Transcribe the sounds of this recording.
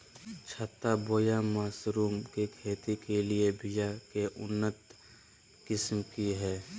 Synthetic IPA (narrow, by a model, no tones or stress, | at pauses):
t͡ʃʰət̪ːaboːjamaːsɾuːmkekʰeːt̪ikeliebʱɪjakeʔʊnːət̪ | kɪsmkiɦɛː